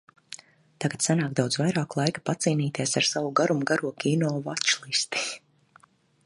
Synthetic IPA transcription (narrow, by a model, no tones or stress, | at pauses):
t̪aɡat̪sanaːkd̪awd̪zvajɾaːklˠajkḁpat̪siːniːt̪iɛsaɾsavuɡaɾumuɡaɾuɔkʲiːnɔːvat͡ʃlˠist̪i̥